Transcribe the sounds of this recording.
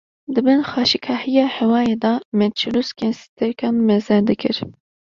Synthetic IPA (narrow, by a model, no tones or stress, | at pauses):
d̪ɨbɨnxɑːʃikʰɑːhijɑːhɛwɑːjeːd̪ɑmɛnt͡ʃʰiluskʰɛnsi̥t̪ʰɛɾkʰɑnmɛzɛɾd̪ɨkʰɨ̰ɾ